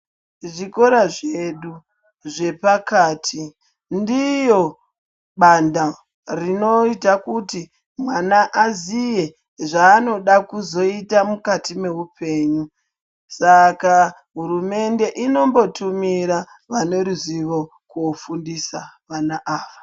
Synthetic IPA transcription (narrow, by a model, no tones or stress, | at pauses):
ʐiko̞ɾaʐeɗu | ʐe̞pakaːtʰi | ndijo̞ | ɓanda | rino̞itakuti | mwanaʔazije̞ | ʐaːno̞ɗakuzo̞itamukatime̞upʰe̞ːɲu | saka | ɦuɾume̞nde̞ʔino̞mbo̞tumiɾa | ʋane̞ɾuziʋo̞ | kuofundisaʋanaʔaːʋa